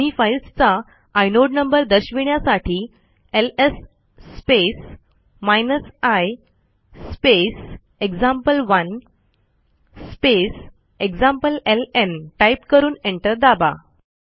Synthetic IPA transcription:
ifailst͡saː | jnoɖnəmbəɾd̪əɕʋiɳjasaʈʰiː | elesː | pes | majnəsajː | pes | eɡd͡zãmpəlʋən | spes | eɡd͡zãmpəlelenʈaipkəɾuːneɳʈəɾd̪aba̰

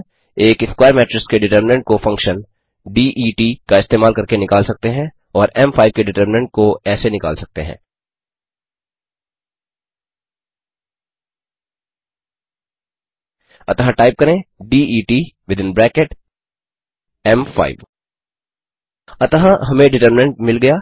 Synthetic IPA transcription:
eːkɪskwaːəɾmɛːʈɾɪskeɖɪʈəɾmɪnə̃ɳʈ̚kofɐ̃ŋkʃə̃n | ɖiːʔiːʈiːkaɪst̪eːmaːlkɐɾkenɪkaːlsɐk̚t̪eɦɛ̃ | ɔːɾɛmfaːɪb̚keɖɪʈəɾmɪnə̃ɳʈ̚koɛːsenɪka̰ːlsɐk̚t̪eɦɛ̰̃ː | ɐt̪ɦãʈaːɪp̚kɐɾẽɖiːiːʈiːʋɪd̪ɪ̃nbɾɛːkeʈ | ɛmfa̰ːɪʋ | ɐt̪ɦãɦɐmẽɖɪʈəɾmɪnə̃ɳʈ̚mɪlɡɐjaː

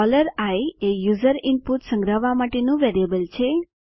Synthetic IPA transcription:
ɔləɾajejuzəɾɪnpuʈsə̃ŋɡɾaʋːamaʈenũʋeɾiəbəlt͡ʃʰe

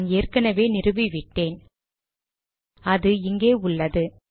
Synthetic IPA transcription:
neːrkɐnɐʋeːnɪrɯʋɪʋɪʈːeːn | ɐðɯɪŋɡeːʊɭːɐðɯ

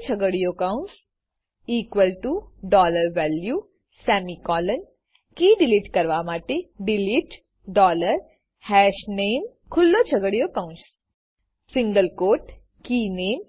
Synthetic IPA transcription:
t͡ɕʰəɡəɽijokãwns | iːkʋəlʈuɖɔləɾʋælju | sɛmikɔlən | kiːɖiliːʈkəɾʋamaʈeɖiliːʈ | ɖɔləɾ | hɛɕnem | kʰulːot͡ɕʰəɡəɽjokaw̃ns | sĩŋɡəlkoːʈ | kiːneːm

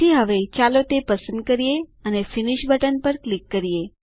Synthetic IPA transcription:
iɦəʋet͡ʃalot̪epəsənd̪̚kəɾijeənefiniʃbəʈənpəɾklikːəɾije

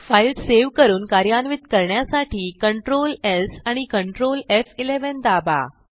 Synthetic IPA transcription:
failɖseʋkəɾuːnkaɾjanʋit̪kəɾɳjasaʈʰiːkəɳʈɾolesaɽ̃ikəɳʈɾolefileʋənd̪aba̰

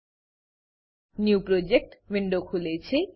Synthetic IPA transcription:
njuwpɾod͡ʑek̚ʈʋiɳɖokʰulet͡ɕʰe

